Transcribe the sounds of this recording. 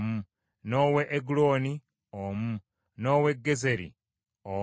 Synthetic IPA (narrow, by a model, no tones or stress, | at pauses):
mu | noːweʔːɡulo̞ːni | omu | noːwe̞ɡːeze̞ɾḭ | o